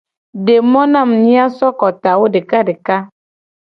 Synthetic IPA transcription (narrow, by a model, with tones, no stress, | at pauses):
ɖe˨mɔ̃˦nã˦˨m˨ɲĩ˦a˦sɔ˦kɔ˨t̪a˨wo˦ɖe˨ka˦ɖe˨ka˦